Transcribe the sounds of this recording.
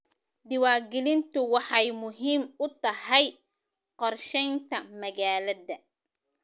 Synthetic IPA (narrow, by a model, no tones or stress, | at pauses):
d̪ɪwaːɡɛlɪnt̪ʰʊwɑħɑjmʊɦiːmʊt̪ʰɐhɛj | qɔrʃɛjnt̪ʰɐmɐɣaːlɐðɐ